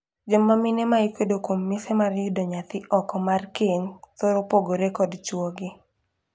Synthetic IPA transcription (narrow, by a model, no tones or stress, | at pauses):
d͡ʒomːamɪnemaikedokwomːɪsemarjʊdɔɲat̪ɪʔɔkɔmarkeŋt̪oɾopoɡoɾekɔdt͡ʃwɔɡɪ